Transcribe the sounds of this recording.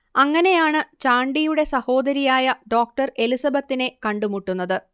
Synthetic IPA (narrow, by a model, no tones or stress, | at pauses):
ɐŋːɐne̞jaːɳɨt͡ɕaːɳɖijuɽe̞sɐho̞ːd̪ɐɾijaːjɐɖo̞ːk̚ʈɐre̞lisɐbɐt̪ːine̞kɐɳɖumuʈːunːɐðɨ